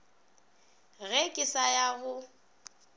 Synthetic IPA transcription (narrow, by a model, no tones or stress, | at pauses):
ɣɛkʼɪsajaɣʊ